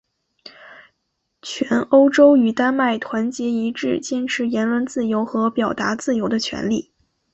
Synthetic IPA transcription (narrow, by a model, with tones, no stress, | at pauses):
t͡ɕʰɥɛ˧˥no˥ʊʈ͡ʂo˥ʊy˨˩t̪a˥nma˥˩ɪt̪ʰwa˧˥nt͡ɕjɛ˧˥i˧˥ʈ͡ʂɻ̩˥˩t͡ɕjɛ˥˩nʈ͡ʂʰɻ̩˧˥jɛ˧˥nlwə˧˥nt͡sɹ̩˥˩jo˧˥ʊxɤ˧˥pjɑ˨˩ʊt̪a˧˥t͡sɹ̩˥˩jo˧˥ʊd̪ə˧t͡ɕʰɥɛ̰˧˥nlḭ˥˩